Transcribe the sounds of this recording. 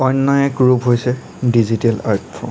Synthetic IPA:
ɔjnːɔjɛɡɹupɦojsɛ | dizitɛla̰ɹtfʰɔ̰

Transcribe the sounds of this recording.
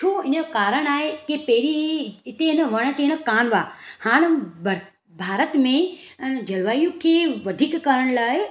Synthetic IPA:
t͡ʃʰuːɪnəkaːɾəɽ̃aːɦekipeːɾiɪt̪enəʋɐɽ̃əʈeñəkaːnʋaːhaːɽ̃b | bʱaːɾət̪mẽd͡ʒɐlʋaːjũkʰeʋɐd̪ʱikːaɾəɽ̃laːɦe

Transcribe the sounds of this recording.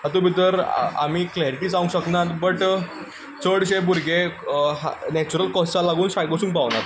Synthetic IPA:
at̪ũbʱit̪əɾa̰m̤iːklɛɾiʈiːd͡zaʋũŋɕəknat̪bəʈ | t͡səɽɕebuɾɡʱeɦanɛt͡ɕuɾəlkɔst͡salaɡuːnɕajɡosuːŋkpaʋnat̪

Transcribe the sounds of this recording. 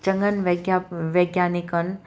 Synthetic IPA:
t͡ʃɐ̃ŋɡənʋɐɡjaʋɐɡjaːnikən

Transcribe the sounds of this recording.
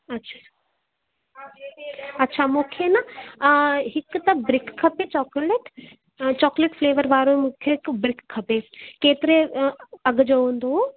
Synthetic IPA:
ɐtːʃʰa | ɐtːʃʰaːmʊkʰːjena | ɦɪkt̪ɐbɾɪkʰːɐpet͡ʃɔːkleʈ | t͡ʃɔːkleʈfʰleːʋəɾʋaːɾõmʊkʰːjeɪkbɾɪkʰːɐpeːkeːt̪ɪɾeɐɡd͡ʒoõːnd̪o

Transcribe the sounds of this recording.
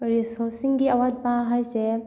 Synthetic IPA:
ɾisɔɾsiŋɡiɐwat̚baɦajse

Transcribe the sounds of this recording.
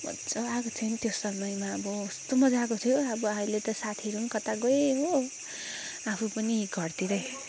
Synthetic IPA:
ʌ̰t͡sʌakot͡sʰʌnt̪josʌmʌjmaʌbʌust̪omʌd͡zakot̪ʰjoʌbʌailet̪ʌsat̪ʰiiɾunkʌt̪aɡoeɦo | apʰupʌniɡʱʌrt̪iɾʌj

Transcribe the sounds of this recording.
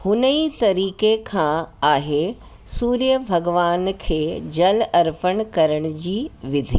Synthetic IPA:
hʊnəit̪ɐɾiːkekʰãːaːɦe | suːɾijəbʱɐɡʋaːnkʰeːd͡ʑɐlɐɾpəɽ̃kɐɾəɽ̃ʊd͡ʑiːʋɪd̪ʱiː

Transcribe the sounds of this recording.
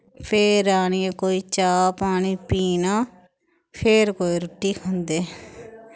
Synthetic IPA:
pʰeːɾaːniːẽːkoːiːt͡ʃaːpaːɳiːpiːnaː | pʰeːɾkoːiːɾʊʈːiːkʰõnd̪eː

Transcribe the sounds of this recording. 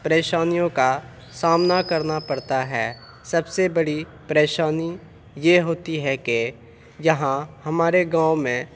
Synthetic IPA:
pəɾeːʃaːnijõka | saːmnakɐɾnapɐɽt̪aɦɛː | sɐbsebɐɽi | pɾeːʃaːni | jeɦoːt̪iɦɛke | jɐɦãhɐmaːɾeɡãːmẽ

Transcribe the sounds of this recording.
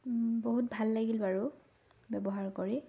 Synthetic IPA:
boɦut̚bʱalːaɡilbaɹu | bɛbɔɦaɹkoɹi

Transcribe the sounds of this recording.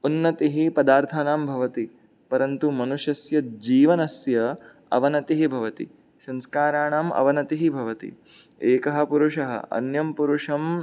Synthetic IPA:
unːɐt̪iɦipɐd̪aːɾt̪ʰɐnaːmbʱɐʋɐt̪i | pɐɾɐnt̪umɐnuʃjɐsjɐd͡ʒiːʋɐnɐsjɐ | ɐ̰ʋɐnɐt̪iɦibʱɐʋɐt̪ḭ | sɐ̃nskaːɾaːɳaːmɐ̰ʋɐnɐt̪iɦibʱɐʋɐt̪ḭ | eːkɐɦɐ̆puɾuʂɐɦɐ̰ɐ̰njɐmpuɾuʂɐm

